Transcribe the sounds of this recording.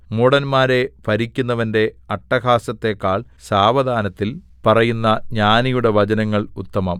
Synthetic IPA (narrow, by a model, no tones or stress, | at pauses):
muɽɐnmaːɾe̞pɐɾikʲːunːɐʋɐnde̞ɐʈːɐɡaːsɐt̪ːe̞kːaːɭ | saːʋɐd̪ʱaːnɐt̪ːil | pɐrɐjunːɐɲaːnijuɽe̞ʋɐd͡ʑɐnɐŋːɐɭut̪ːɐmɐm